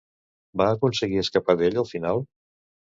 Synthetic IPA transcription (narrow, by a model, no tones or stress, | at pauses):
baəkunsəɣiəskəpaðeʎəlˠfinalˠ